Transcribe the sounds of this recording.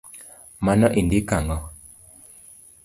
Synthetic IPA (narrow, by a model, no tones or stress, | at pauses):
manɔʔindikaŋɔ